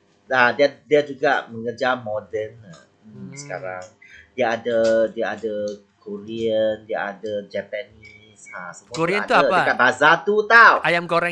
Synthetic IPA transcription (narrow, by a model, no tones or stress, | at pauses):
adiadiad͡ʒuɡaʔmə̃ŋərd͡ʒamɔdəna | sə̥ka̰ɾaŋdiaadədiaadə | koɾiəndiaa̰dəd͡ʒapani | sasəmuaɾiəat̪aəkabazat̪ut̪awajamɡoɾɛ